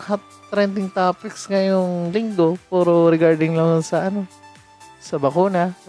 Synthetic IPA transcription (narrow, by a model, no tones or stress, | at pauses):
hat̪ | t̪ːɾɛnt̪ɪŋt̪aːpɪkskɐjʊŋlɪŋd̪o̞puːɾoɾɪɡaɹd̪ɪŋlɐŋsɐʔɐno | sɐbɐkuːnɐ